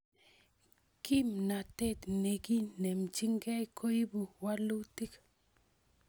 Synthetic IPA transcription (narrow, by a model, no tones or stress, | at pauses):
kimnat̪et̪nekinemt͡ʃiŋkajkʰojibuwalut̪ik